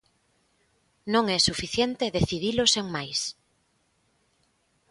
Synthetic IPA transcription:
nõŋɛsufiθjent̪eðeθiðiloseŋmajs

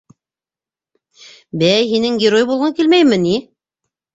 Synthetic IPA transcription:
bæjɦinɘŋɡʲɪɾojbulˠʁɤŋkilmæjmɘni

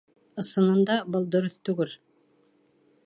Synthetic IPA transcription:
ɤ̆sɤ̆nɤ̆nd̪ɑbɤlˠd̪ŏɾɤθt̪ʉɡɘl

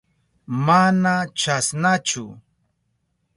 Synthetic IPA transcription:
manat͡ʃasnat͡ʃʊ̰

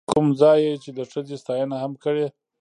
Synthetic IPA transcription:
kʊmzɑjet͡ʃed̪əʂəzest̪ɑjənahamkəɽe

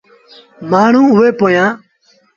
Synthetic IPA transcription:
maːɳ̤ũːʊʋeːpoːjãː

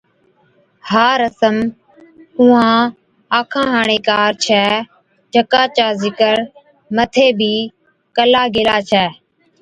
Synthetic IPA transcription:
haːɾəsəm | ũːãː | aːkʰãːɦaːɳ̃eːkaːɾt͡ʃʰɛː | d͡ʒəkãːt͡ʃaːzɪkəɾ | mət̪ʰeːbʱiː | kəlaːɡeːlaːt͡ʃʰɛː

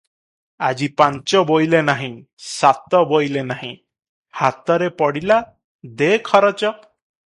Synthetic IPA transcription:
ad͡ʒipaɲt͡ʃɔbojlenaɦĩ | sat̪ɔbojlenaɦĩ | hat̪ɔɾepɔɽila | d̪ekʰɔɾɔt͡ʃɔ

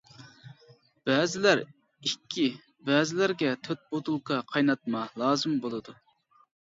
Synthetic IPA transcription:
b̥ɛːzɪlæɾ | ikʲʰːi | bɛːzɪlæɾɡʲɛt̪ʰøt̪̚bot̪ulˠqʰɑqʰɑjnɑt̪̚mɑlˠɑːzɨmbolˠɨd̪u

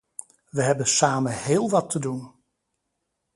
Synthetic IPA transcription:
ʋəɦɛbənsaːmənhɪːlˠʋɑtʰədun

